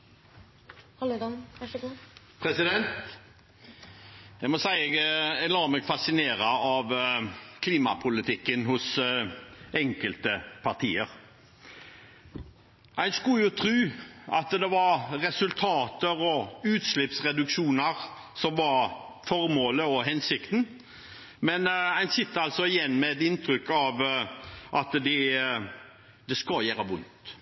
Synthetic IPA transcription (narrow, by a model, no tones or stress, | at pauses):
pʰɾɛsɪd̪ɛnt̪ | jæɪɡmɔsæɪɛɡɛlɑːɾmɛɡfɑsɪneːɾɑɑʋkʰliːmɑ̰pʰʊlɪt̪ʰɪkːənhʊs | ɛŋkəlt̪əpʰɑʁt̪ʰiːəɾ | ʔæɪskʉljʊt̪ʰɾʉːʔɑt̪d̪ɛʋɑɾɾɛsʉlt̪ʰɑːt̪əɾɔʉːt̪slɪpsʁɛd̪ʉkʃuːnəɾ | sɔmʋɑɾ | fɔɾmoːləɔɦɛnsɪkt̪n̩ | mɛnæɪnsɪt̪ːəɑlt̪sɔɪjɛnːmɛɛt̪ɪnt̪ʰɾʏkːɑʋ | ʔɑt̪d̪ɪ | d̪ɛskɑjæːɾəʋʊnt̪